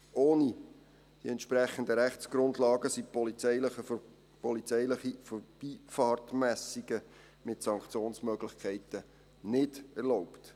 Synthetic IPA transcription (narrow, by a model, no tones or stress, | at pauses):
ʔoːni | d̥ḭɛntʃpɾɛχən̩dəɾæχt͡sɡ̥ɾʊndlɑːɡəsipɔlɪlə | pɔlit͡sɛɪləχifɔb̥iːfɑːrtmæsiɡə | mɪtsɑŋkt͡sjoːnsmœɡlɪχkʰɛɪtə | nɪdɛɾloʊpt